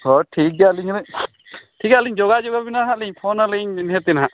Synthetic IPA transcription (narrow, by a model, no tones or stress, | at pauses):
sɔʈʰik̚daliɲalɛ | ʈʰikaliɲd͡ʒɔɡad͡ʒɔɡabinaɦaliɲpʰɔnaliɲnɦɛt̪inɦaʔ